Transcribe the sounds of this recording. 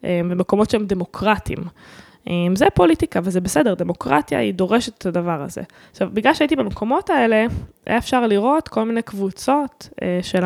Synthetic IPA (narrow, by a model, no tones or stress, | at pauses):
ʔebemeko̞mo̞tʃeemdemo̞kʁatḭm | ʔemzepo̞litikaːvalzebesedeʁd̪e̞mo̞kʁa̰t̪ja̰id̪o̞ʁe̞ʃet̪e̥tadavaʁa̰zḛ | aχʃavbiɡlalʃeait̪ibemekʰo̞mo̞tae̞le̞ḛefʃaʁliʁo̞t̪ko̞lminejkvut͡so̞t̪eʃel